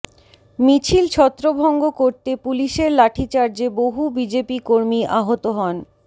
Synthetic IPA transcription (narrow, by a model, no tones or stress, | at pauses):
mit͡ɕʰilt͡ɕʰɔt̪ːɾobʱɔŋɡokoɾt̪epuliʃeɾlaʈʰit͡ɕaɾd͡ʑeboɦubid͡ʑepikoɾmiʔaɦot̪oɦɔn